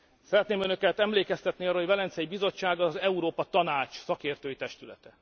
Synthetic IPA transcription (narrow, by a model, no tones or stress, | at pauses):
sɛɾɛt̪neːmønø̞kɛt̪ɛmleːkɛst̪ɛt̪niɒːɾooɟvɛlɛnt̪sɛjibizo̞t͡ʃːaːɡɒzɛuɾoːpɒt̪ɒnaːt͡ʃsɒkeːrt̪øːjit̪ɛʃt̪ylɛ̰t̪ɛ